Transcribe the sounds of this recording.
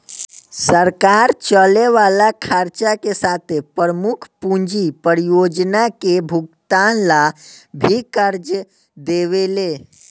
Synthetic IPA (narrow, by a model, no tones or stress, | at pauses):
səɾkaɾt͡ʃəleʋalakʰaɾt͡ʃakesat̪ʰepəɾəmukʰpũɲd͡ʒipəɾijod͡ʒnakebʱuɡ̚t̪anlabʱikəɾd͡ʒə | d̪eʋele